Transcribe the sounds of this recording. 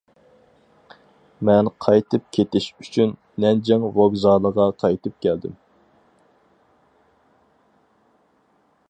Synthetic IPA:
mɛnqʰɑjt̪ʰɨp̚kʲʰet̪ɪʃyt͡ʃʰynːɛnd͡ʒɛŋvoɡzɑlˠəʁɑqʰɑjt̪ʰɨp̚kʲʰɛld̪ɪ̰m

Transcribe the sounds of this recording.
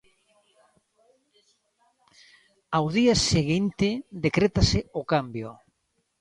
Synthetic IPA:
awðiaseɣint̪ɪd̪ekɾet̪aseokambjo

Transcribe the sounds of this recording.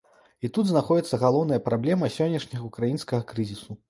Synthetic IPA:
it̪ud̪znaxɔd͡zʲɛt̪sːɐɣalˠɔwn̪ɐjɐpɾablʲɛmɐsʲɔnʲːɐʂnʲɐɣɐukɾajinskɐɣɐkɾɨzʲisu

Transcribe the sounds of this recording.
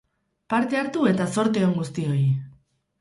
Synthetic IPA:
paɾt̪e̞aɾt̪ue̞t̪aso̞ɾt̪eoŋɡust̪io̞i

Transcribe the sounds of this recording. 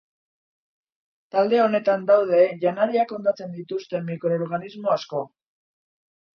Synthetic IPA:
t̪ald̪e̞o̞ne̞t̪and̪awðe̞ʝanaɾiako̞nd̪at͡se̞nd̪it̪ust̪e̞mikɾo̞ːɾɣanizmo̞asko̞

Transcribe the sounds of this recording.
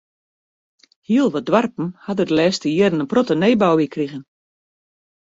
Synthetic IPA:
hiəlˠʋɔdʋarpn̩hadədəlɛːstəjiədənənprɔtəneːbawʋikriɣən

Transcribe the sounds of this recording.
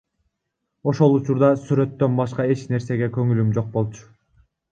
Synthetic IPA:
o̞ʃo̞lˠut͡ʃuɾd̪ɑsyɾø̞t̪ːø̞nbɑʃqɑe̞t͡ʃne̞ɾse̞ɡekø̞ŋylymd͡ʒo̞q̚bo̞lˠt͡ʃʰu̥

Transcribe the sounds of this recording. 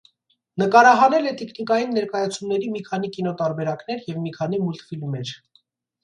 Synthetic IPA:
nəkɑɾɑɦɑnɛlɛt̪ɛkʰnikɑjinːɛɾkɑjɑt͡sʰumnɛɾimikʰɑn̪ikinɔt̪ɑɾbɛɾɑkn̪ɛɾjɛvmikʰɑn̪imult̪filmɛɾ

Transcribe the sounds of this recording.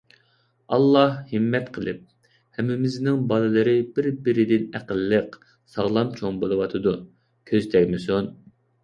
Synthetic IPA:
ɑlˠːɑhhɨmːɛt̪qʰəlˠɨp̚ | hɛmːɪmɪznɪŋbɑlɨlˠɨɾɪbɪɾbɪɾɪd̪ɪnæqəlːəq | sɑʁlˠɑmt͡ʃʰoŋbolˠɨwɑt̪ʰɨd̪u | kʲʰøzt̪ʰɛkʲmɪsun

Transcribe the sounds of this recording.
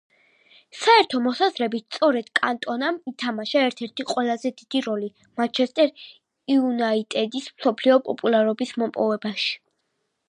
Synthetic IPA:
saɛɾt̪ʰɔmɔsazɾɛbit̪t̪sʼɔɾɛd̪̥kʼa̰nt̪ʼɔnamit̪ʰamaʃaɛɾt̪ʰɛɾt̪ʰiqʼwɛlˠazɛd̪id̪̥iɾɔli | mat͡ʃʰɛst̪ʼɛɾ | iunait̪ʼɛd̪ismsɔpʰliɔpʼɔpʼulˠaɾɔbismɔmpʼɔvɛbaʃi̥

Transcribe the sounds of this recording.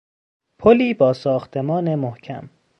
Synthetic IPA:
pʰoliːbɒːsɒːxt̪ʰe̞mɒːne̞mohcʰæ̰m

